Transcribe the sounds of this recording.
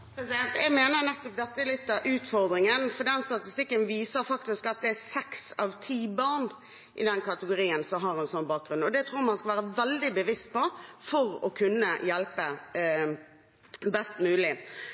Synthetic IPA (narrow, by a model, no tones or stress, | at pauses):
pɾɛsɪd̪ɛnt̪ɛɡmeːnəɾnɛt̪ːɔp̚d̪ɛt̪ːəɛlɪt̪ːɑʔʉːt̪fɔʁd̪ɾɪŋənfɔd̪ɛnst̪ɑt̪ɪst̪ɪkːənʋiːsəɾfɑkt̪ɪskɑt̪̚d̪ɛæsɛksɑʋt̪ʰiːbɑɾn | ʔɪ̰d̪ɛnkʰɑt̪əɡʊɾiːənsɔmɦɑʁɛnsɔnbɑːk̚ɡɾʉnɔd̪ɛt̪ʰɾuːɾmɑnskɑʋæːɾəʋɛld̪ɪbəʋɪst̪̚pɔfɔɾɔ̰kʰʉnːəjɛlpə | bɛst̪mʉːlɪ